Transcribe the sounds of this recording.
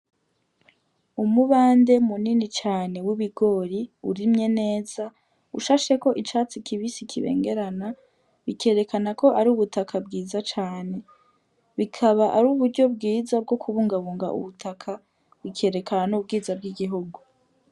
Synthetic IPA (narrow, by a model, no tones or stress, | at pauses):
umuβaːnde̞muninit͡ʃaːne̞wiβiɡo̞ːɾiuɾimɲe̞ne̞ːz̥a | uʃaːʃe̞koʔit͡ʃat͡sikʰiβisikʰiβḛːŋɡe̞ɾana | βike̞ːɾe̞kanako̞ʔaɾiuβutakʰabɡiːzat͡ʃaːne̞ | βikʰaβaʔaɾuːβuɾɟo̞bɡiːzab̚ɡo̞kʰuβuːŋɡaβuːŋɡa̰ʔṵβutʰakʰa | βikʰe̞ːɾe̞kananub̚ɡiːzab̚ɡiɡiɦuɡu